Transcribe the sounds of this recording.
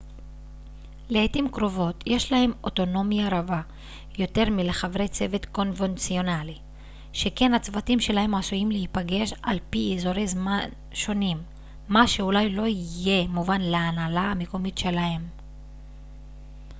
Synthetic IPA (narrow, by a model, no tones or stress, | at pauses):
leetimkʁo̞vo̞tʰje̞ʃlahe̞mo̞to̞no̞mjaʁava | jo̞te̞ʁmile̞χavʁe̞jt͡se̞vetko̞nvent͡sio̞nali | ʃe̞ke̞nat͡svatimʃe̞lahe̞masujimlehipaɡe̞ʃalpiezo̞ʁe̞jzman | ʃo̞nimː | aʃe̞ulajlo̞ije̞muvanleanalaame̞ko̞mitʃe̞lahe̞m